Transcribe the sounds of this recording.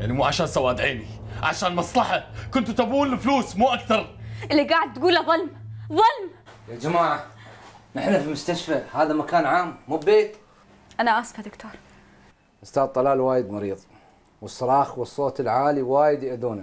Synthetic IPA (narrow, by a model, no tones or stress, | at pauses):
jaʕnimuːʕaʃaːnsawaːd̪ʕeːni | ʕa̰ʃaːnmɑsˤlɑħakʊnt̪ut̪abuːnɪfluːsmuːʔakθɑɾˤʔɪlːiɡaːʕɪd̪̚ːɡuːlaðˤʊlmðˤɑlmjad͡ʒamaːʕa | nɪħnafimʊst̪aʃfahaːðamakaːnʕaːmːuːbbeːt̪ | ʔanaʔasfad̪ʊkt̪ʰoːɾˤ | ʔʊst̪aːd̪̚ˤt̪ˤːɑlaːlwaːjɪd̪mɑɾiːðˤ | wɨsˤːɑɾˤɑːxwɨsˤːoːt̪ɪlʕaːliwaːjɪd̪jɪʔd̪uːna